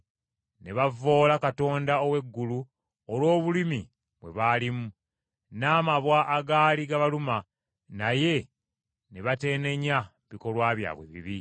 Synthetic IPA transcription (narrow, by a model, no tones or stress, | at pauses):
ne̞βavo̞ːlakato̞ːndaowe̞ɡːulu | olwo̞ːβulimi | βwe̞βaːlimu | naːmaβwaʔːɡaːliɡaβaluma | naje̞ | neβate̞ːne̞ɲa | βiko̞lwaːβja̰ːβwe̞̰βḭβi